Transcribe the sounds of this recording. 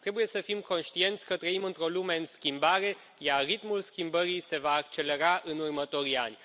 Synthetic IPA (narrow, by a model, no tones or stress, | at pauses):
t̪ɾe̞buje̞səfimko̞nʃt̪ie̞nt̪sʲkət̪ɾəimɨnt̪ɾo̞lume̞ɨnskʲimbaɾe̞ | jarːit̪mulskʲimbəɾijse̞vaːk̚t͡ʃe̞le̞ɾaʔɨnurmət̪o̞ɾia̰nʲ